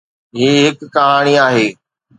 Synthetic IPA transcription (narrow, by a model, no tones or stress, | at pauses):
ɦiːɦɪkːɐɦaːɽ̃iaːɦeː